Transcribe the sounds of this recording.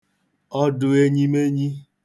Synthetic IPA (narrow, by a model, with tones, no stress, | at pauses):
ɔ˦dʊ˨e˦ɲi˦me˦ɲi˦